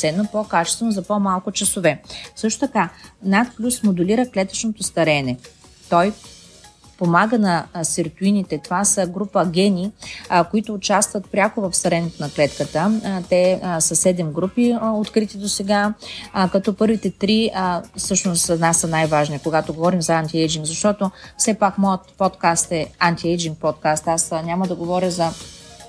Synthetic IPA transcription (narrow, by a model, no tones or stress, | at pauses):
sɛnːopokat͡ʃɛ̥st̪vɛnʊzɐpomalˠkʊt͡ʃɐsovɛsɤʃt̪ʊ̥t̪ɐkanat̪plʲusmod̪uliɾəklɛt̪ə̥t͡ʃnot̪ost̪ɐɾɛnɛ | t̪ɔj | pomaɡənɐsiɾt̪uinit̪ɛt̪ovasəɡɾupəɡʲɛnikoit̪ʊːt͡ʃast̪vət̪̚pɾʲjakovɐfst̪ɐɾɛnɛt̪onɐklɛt̪kət̪ət̪ɛsəsɛd̪ɛmɡɾupiot̪kɾit̪id̪osɛɡakɐt̪ɔpɤɾvit̪ɛt̪ɾifsɤʃnʊsnasənajvaʒnikoɡat̪oɡovɔɾimzɐant̪ʲiɛjd͡ʒiŋɡzɐʃt̪ɔt̪ofsɛpakmɔjət̪̚pɔt̪kast̪ɛant̪iɛjd͡ʒiŋk̚pɔt̪̚kast̪asnʲaməd̪ɐɡovɔɾʲəzɐ